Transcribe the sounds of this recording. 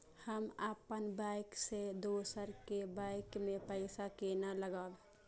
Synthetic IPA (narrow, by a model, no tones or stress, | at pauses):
həmaːpənbaɪksed̪oːsəɾkebaɪkmẽpəɪsakenaləɡal